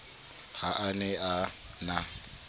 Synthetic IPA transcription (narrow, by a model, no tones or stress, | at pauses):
haʔanɛa | na